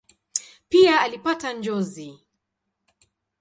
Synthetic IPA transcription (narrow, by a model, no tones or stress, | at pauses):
piaːlipatand͡ʒɔzi